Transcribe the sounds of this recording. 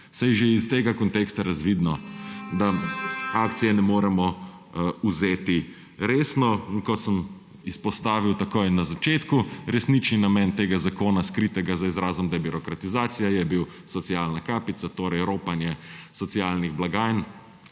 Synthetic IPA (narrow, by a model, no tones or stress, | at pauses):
sajʒeist̪eːɡakɔnt̪ekst̪aɾazʋid̪nɔd̪aaːkt̪sijɛnɛmoːɾɛmɔ | uzeːt̪i | ɾeːsnɔiŋkɔt̪səm | ispɔst̪aːʋiwt̪akojnazat͡ʃeːt̪kuɾɛsnit͡ʃninamɛːnt̪eːɡazakoːnaskɾit̪ɛɡazaizɾaːzɔmd̪aɛbiɾɔkɾat̪izaːt̪sijajɛbiw | sɔt̪siaːlnakaːpit̪sat̪oːɾɛjɾoːpanjɛsɔt̪siaːlniɣblaɡaːjn